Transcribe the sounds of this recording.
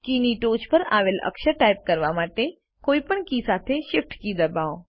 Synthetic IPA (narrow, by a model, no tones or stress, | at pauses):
kiːniʈoːt͡ʃpəɾa̰ːʋeːlʔə̰kʃəʈaːɪp̚kɐɾʋamaːʈe | koːipəɳkiːsaːt̪ʰeʃɪfʈkiːd̪ɐbaːo